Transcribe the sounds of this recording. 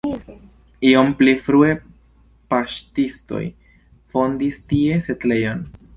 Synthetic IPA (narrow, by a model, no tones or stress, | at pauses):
io̞mplifɾue̞ | paʃtisto̰j | fo̞ndistie̞se̞tle̞jo̞n